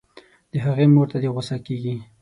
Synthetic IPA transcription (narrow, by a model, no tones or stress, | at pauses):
d̪̥əɦaɣemoɾt̪ad̪eɣosakeɡi